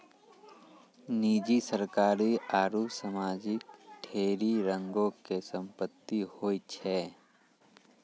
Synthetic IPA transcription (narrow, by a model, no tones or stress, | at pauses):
niːd͡ʒisəɾkaːɾiaːɾusəmaːd͡ʒɪkʈʰeːɾiɾə̃ŋɡõkesə̃mpət̪ːihoːit͡ʃʰɛː